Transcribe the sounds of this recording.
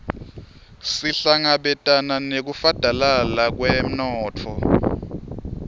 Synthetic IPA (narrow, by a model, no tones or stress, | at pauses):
siɬaŋaɓɛtʼananek̬ufad̥ʱalalak̬wɛm̩nɔːtʰɔ